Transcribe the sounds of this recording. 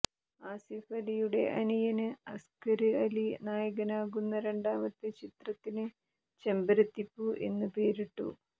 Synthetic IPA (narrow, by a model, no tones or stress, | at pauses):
aːsifɐlijuɽe̞̰ʔɐnijɐnɨɐskɐɾɨɐlinaːjɐɣɐnaːɣunːɐɾe̞ɳɖaːmɐt̪ːɨt͡ɕit̪rɐt̪ːinɨ | t͡ɕe̞mbɐɾɐt̪ːipːuʔe̞̰nːɨpeːɾiʈːṵ